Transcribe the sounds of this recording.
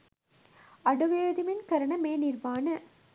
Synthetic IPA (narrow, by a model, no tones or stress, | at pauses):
ɐɽɯʋeːðɪmɪnkɐɾɐɳɐmeːnɪɾʋaːnɐ